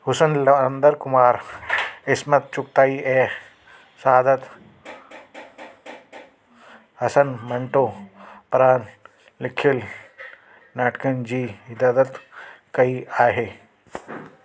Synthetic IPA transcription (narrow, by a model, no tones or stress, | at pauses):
hʊsənlnd̪əɾkʊmaːɾ | ɪsmɐt̪̚t͡ʃʊk̚t̪aːiʔɛː | saːd̪ət̪ | hɐsənmɐ̃ɳʈoːpɾaːn | lɪkʰːɪl | naːʈkənd͡ʒiːɪd̪aːd̪ət̪ | kɐiaːɦeː